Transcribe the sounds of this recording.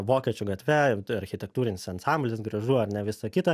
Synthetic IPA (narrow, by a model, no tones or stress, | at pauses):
ʋoːkʲɛt͡ʃʲʊɡɐt̪ʲʋʲɛɐɾʲxʲɪt̪ʲɛk̚t̪uːɾʲɪnʲɪsɐnsɑmʲbʲlʲɪsɡɾɐʒuːɐɾnʲɛʋʲɪsɐkʲɪt̪ɐ